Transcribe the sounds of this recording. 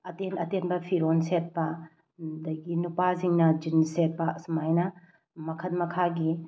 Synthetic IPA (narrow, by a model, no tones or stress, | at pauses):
ɐtenɐtenbɐpʰiɾonset̚pɐ | dɐɡinupaziŋnɐd͡ʒinset̚pɐsmajnɐ | mɐkʰɐtmɐkʰaɡi